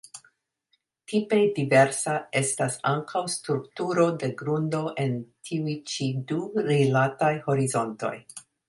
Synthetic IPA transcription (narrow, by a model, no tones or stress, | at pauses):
tʰipe̞dive̞ɾsae̞stasaŋkʰawstɾuktuɾo̞de̞ɡɾundo̞ʔentʰiujt͡ʃiduɾilatajho̞ɾizo̞nto̞̰j